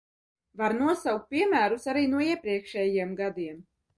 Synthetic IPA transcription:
vaɾnuɔsawk̚t̪̚piɛmæːɾusaɾiːnuɔiɛpɾiɛkʃɛjjiɛmɡad̪iɛm

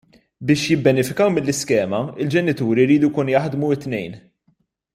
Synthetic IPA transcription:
bɪːʃjɪbːɛnɪfɪkɐwmɪlːɪskɛːmɐɪld͡ʒɛnɪt̪uːɾiɾiːd̪ujkuːnʊjɐħd̪muɪt̪ːnɛjn

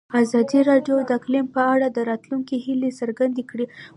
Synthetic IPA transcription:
azɑd̪iɾɑɖjod̪əklɪmpəaɽad̪əɾɑt̪luŋkihilesəɾɡand̪ekɽi

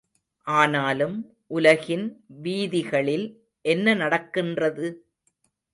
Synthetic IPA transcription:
ʔaːnaːlɯm | ʔʊlɐɣɪnʋiːðɪɣɐɭɪl | ʔɛnːɐnɐɽɐkːɪndrɐðɯ

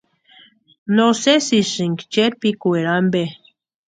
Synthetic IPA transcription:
nosesisɨŋkt͡ʃeɾpikʷeɾambe

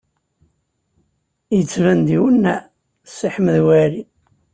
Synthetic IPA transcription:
jət͡sːvænd̪iwənːæ | siħməðwæɾi

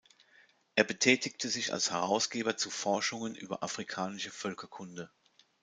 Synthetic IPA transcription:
ʔeːɐbətʰɛːtʰɪktʰəzɪça̰lshɛʁaʊsɡ̥eːbɐt͡sufɔɐʃʊŋənʔy̰ːbɐ̰ʔafʁ̥ikʰaːnɪʃəfœlkʰɐkʰʊndə

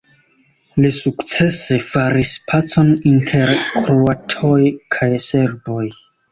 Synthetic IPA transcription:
lisukt͡se̞se̞faɾispʰat͡so̞nintʰe̞ɾkɾuatʰo̞jkʰajse̞ɾbo̞j

